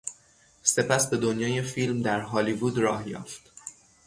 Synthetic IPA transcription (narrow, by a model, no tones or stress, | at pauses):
se̞pʰæsbe̞d̪onjɒːje̞filmd̪æɾɦɒːlivuːd̪ɾɒːhjɒ̰ːft̪